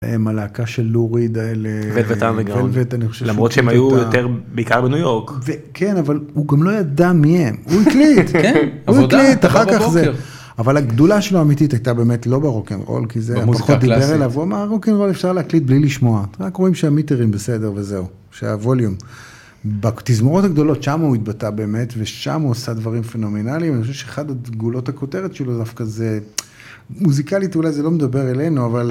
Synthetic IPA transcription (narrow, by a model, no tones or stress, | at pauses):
ḛmalaːkaʃe̞lːuʁid̪aelevevet̪amveɡelvet̪aniχoʃelamʁotʃeemajujot̪eʁbeikaʁbenujoʁkvekʰenavaluɡamlo̞jad̪amihemuiklit̪uiklit̪aχaʁkaχze | avalaɡd̪ulaʃeloamititajtabe̞ːmetlo̞beʁokenʁo̰lkizezpaχod̪ibeʁelavuamaʁʁokenʁo̞lefʃaʁleaklit̚bliliʃmo̞aʁakʁo̞imʃeamiteʁimbese̞de̞ʁve̞ze̞u | ʃea̰voljum | bat̪izmoʁo̞taɡd̪o̞lo̞tʃamauit̪̚batabe̞ːme̞tveʃa̰muosad̪vaʁimfeno̞menalimaniχoʃevʃeeχad̪aɡulo̞thako̞te̞ʁetʃelodafkaze | muzikalit̪ulajzelo̞med̪abe̞ʁele̞jnuaval